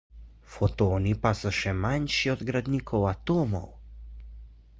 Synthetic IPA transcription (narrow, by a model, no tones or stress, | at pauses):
fɔt̪oːnipasɔʃɛmanʃiɔd̪ɡɾad̪niːkʰɔwat̪oːmɔ̰w